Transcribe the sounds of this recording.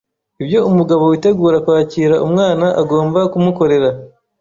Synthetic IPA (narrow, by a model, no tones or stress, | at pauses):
ibjo̞umuɡaβo̞wite̞ɡuːɾakwaːciːɾaʔumŋaːnaʔaɡo̞ːmbakumuko̞ɾe̞ɾa